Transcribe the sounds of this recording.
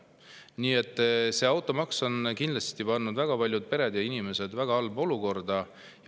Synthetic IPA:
niːe̞t̪ˑːse̞ɑwt̪ˑo̞mɑkso̞nkind̪lɑst̪ipɑnːud̪væɡ̥ɑpɑlʲjud̪̥̚pe̞ɾe̞d̪jɑinime̞se̞d̪væɡ̥ɑɑlbo̞luko̞rd̪ɑ | j

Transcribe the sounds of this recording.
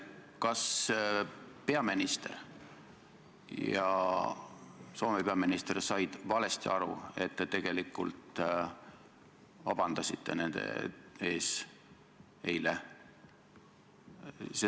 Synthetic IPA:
kɑs | pe̞ɑminist̪e̞̰r | jɑ̰ | so̞ːmepeɑminist̪ersɑjd̪̥vɑle̞st̪iɑɾṵe̞t̪ːet̪e̞ɡ̥e̞likːṵlt̪ˑ | vɑb̥ɑnd̪̥ɑsit̪ˑːe̞̰ne̞nd̪̥e̞̰e̞ːs | e̞jle | se

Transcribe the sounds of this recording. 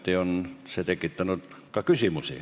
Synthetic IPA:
t̪ionset̪ekit̪ːænot̪ | kɑkysimusḭ

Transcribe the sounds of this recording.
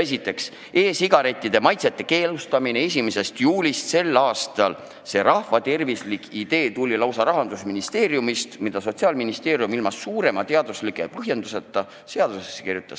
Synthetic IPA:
e̞sit̪ːˑe̞ks | e̞ːsiɡ̥ɑɾe̞t̪ʲːˑid̪̥e̞mɑjt̪set̪ːe̞ke̞ːlust̪ɑminees̬ʲimese̞st̪juːlʲist̪se̞lːɑːst̪ɑl | se̞ɾɑhvɑt̪e̞rvislikʰid̪̥e̞ːt̪ulʲːilɑwsɑɾɑɦɑnd̪̥usminist̪e̞ːɾjumist̪mid̪̥ɑso̞t̪siɑːlminist̪e̞ːɾjumilmɑsːuːɾe̞mɑt̪e̞ɑd̪uslikːˑḛpɤɦje̞nd̪uset̪ˑːɑ | se̞ɑd̪̥usesːekirjut̪ːˑɑs

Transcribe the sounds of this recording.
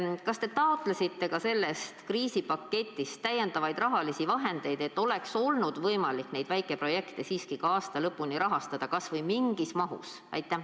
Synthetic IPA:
kɑst̪e̞t̪ɑot̪ˑlesit̪ːe̞kɑse̞lːe̞st̪kriːsipɑkːe̞t̪ʲːˑist̪æjːe̞nd̪̥ɑvɑjd̪rɑɦɑlisivɑɦe̞nd̪̥e̞jd̪e̞t̪ːˑo̞lekso̞lnud̪vɤjmɑlikːne̞jd̪væjkːˑe̞pro̞je̞kt̪e̞siːskikɑɑːst̪ɑlɤpːˑuniɾɑɦɑst̪ɑd̪̥ɑkɑsvɤjmiŋɡ̥ismɑɦṵs | ɑ̰jt̪ːˑæ

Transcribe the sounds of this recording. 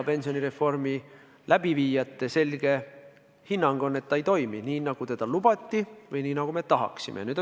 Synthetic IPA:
pe̞nsioniɾe̞fːo̞rmi | læb̥iviːjɑt̪ːˑe̞se̞lɡ̥e̞ | hinːɑŋɡ̥o̞nːe̞t̪ːɑejt̪o̞jminiːnɑɡ̥ut̪e̞d̪̥ɑlub̥ɑt̪ːivɯjniːnɑɡ̥ume̞t̪ɑɦɑ̰ksḭmʔḛnyːd̪

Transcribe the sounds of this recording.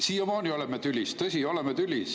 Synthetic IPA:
siːjomɑːnʲio̞lemet̪ylʲːist̪ɤsʲio̞lemet̪ylʲis

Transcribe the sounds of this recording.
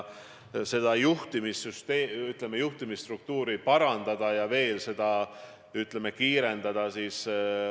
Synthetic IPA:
se̞d̪̥ɑjuht̪imisːyst̪eːyt̪ˑlemejuht̪imisːt̪ruk̚t̪uːɾipɑɾɑnd̪̥ɑd̪̥ɑjɑve̞ːlse̞d̪̥ɑ | yt̪ˑleme̞kiːɾe̞nd̪̥ɑd̪̥ɑsiːs

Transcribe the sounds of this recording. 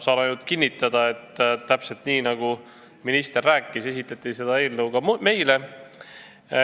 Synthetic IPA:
sɑːlɑjnult̪kinʲːit̪ːˑɑd̪̥ɑe̞t̪ːˑt̪ːæpse̞lt̪niːnɑɡ̥u | minist̪e̞rːæːkːˑise̞s̬ʲit̪ːˑɑt̪ːˑise̞d̪ɑe̞ːlnɤwɡɑme̞jle̞

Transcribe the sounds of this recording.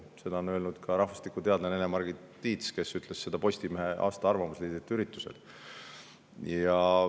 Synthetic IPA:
se̞d̪ɑonø̞ːlnud̪̥kʰɑɾɑhvɑst̪ikut̪e̞ɑd̪nenenemɑrɡi | t̪iːt̪ske̞syt̪ːˑle̞sse̞d̪̥ɑpo̞sʲt̪imeɦe̞ʔɑ̰ːst̪ɑɑrvɑmusliːd̪it̪ːyɾit̪ːˑuse̞̰d̪̥ | jɑ

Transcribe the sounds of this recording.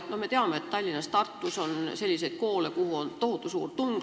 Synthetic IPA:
no̞hmet̪eɑmːeet̪t̪ɑlʲːinɑst̪ɑrt̪ːuso̞nse̞lʲːisejt̪̚ko̞ːlekuhuont̪o̞hut̪ːˑusṵːrt̪uŋɡ

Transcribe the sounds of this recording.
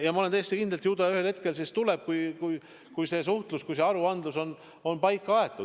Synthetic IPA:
jɑmɑolent̪ejest̪ikind̪elt̪juːd̪ɑjɑyhe̞lhe̞t̪̚ke̞lsist̪ule̞b̥̚kujkuj | kujse̞s̬uht̪luskujse̞ɑɾuɑnd̪luso̞n | o̞npɑjkˑːɑɑe̞t̪ːˑu̥

